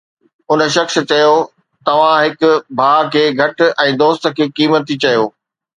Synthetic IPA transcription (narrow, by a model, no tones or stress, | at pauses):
ʊnə̆ʃ̬ɐxs̆t͡ɕɐjo | t̪ɐʋ̤ãɦɪkʊ̆bʱaːkʰeːɡʱɐʈ̆ɛ̃ːd̪oːst̪̆kʰeːkiːmət̪it͡ɕɐjoː